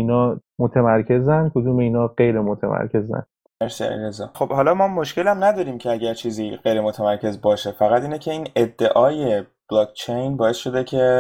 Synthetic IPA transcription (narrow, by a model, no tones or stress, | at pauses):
iːnɒːmot̪ʰemæɾcʰe̞zænkʰod̪uːmeiːnɒːɢe̞jɾemot̪ʰemʔæ̰ɾcʰe̞zæ̰n | meɾsiæ̰lḭɾezɒ̰ːχo̞b̥hɒːlɒːmɒmːoʃcelæmnæd̪ɒːɾiːmcʰeæɟæɾt͡ʃʰiːziːɢejɾemot̪ʰæmæɾkʰe̞zbɒːʃe̞fæɣæt̪iːnecʰe̞iːned̪ːe̞ʔɒːje̞b̥lɒːk̚ʰt͡ʃʰe̞jnbɒːesʃo̞d̪ecʰe̞